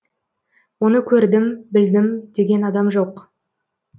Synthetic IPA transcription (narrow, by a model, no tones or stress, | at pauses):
wo̞nəkʲʰɵɾd̪ɪmbɪld̪ɪmd̪̥e̞ɡʲe̞nɑd̪ɑmʒoq